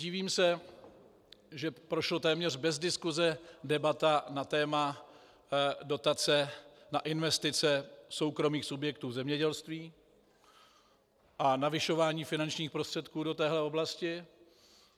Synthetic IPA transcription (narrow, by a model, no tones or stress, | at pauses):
ɟiːviːmsɛ | ʒɛpɾo̞ʃlot̪ɛːmɲɛr̝bɛzdɪskuzɛdɛbat̪anat̪ɛːma | do̞t̪at͡sɛnaʔɪnvɛst̪ɪt͡sɛso̞wkɾo̞miːxsubjɛk̚t̪uːzɛmɲɛɟɛlst̪viː | ʔanavɪʃo̞vaːɲiːfɪnant͡ʃɲiːxpɾost̪r̥ɛt̪kuːdo̞t̪ɛːɦlɛo̞blascɪ